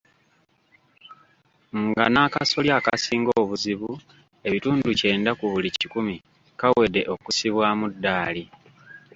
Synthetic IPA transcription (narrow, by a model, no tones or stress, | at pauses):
ŋɡa̰naːkaso̞ljaːkasiːŋɡoːβuziβu | e̞βituːnduce̞ːndakuβulicikumi | kawe̞de̞ʔo̞kusiβwaːmudːaːli